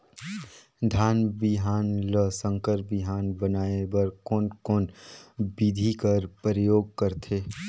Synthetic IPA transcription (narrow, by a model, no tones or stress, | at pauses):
d̪ʱaːnbɪɦaːnləsə̃ŋkəɾbɪɦaːnbənaːebəɾkɔnkoːnbid̪ʱikəɾpɾəjoːɡ̚kəɾt̪ʰeː